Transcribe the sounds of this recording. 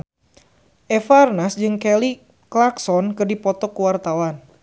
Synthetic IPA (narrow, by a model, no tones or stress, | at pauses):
ʔɛfaːrnasd͡ʒɨŋkɛli | klaksɔnkɨrdipɔt̪ɔkuwart̪awan